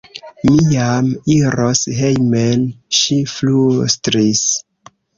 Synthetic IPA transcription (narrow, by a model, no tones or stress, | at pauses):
mijamiɾosɦejmelʃiflustɾis